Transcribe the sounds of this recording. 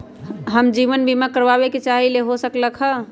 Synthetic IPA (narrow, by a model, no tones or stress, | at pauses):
ɦəmd͡ʒiʋənbʱimakəɾbabeket͡ʃaɦileɦosəkləkʰɦə